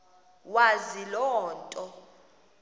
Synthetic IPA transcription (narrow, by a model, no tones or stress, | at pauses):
wazilɔːntʼɔ